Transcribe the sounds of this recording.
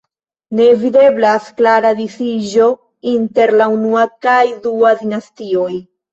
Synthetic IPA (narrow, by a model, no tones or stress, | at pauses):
ne̞vide̞blasklaɾadifiʒo̞ | inte̞ɾlaunuakajduadinastio̞j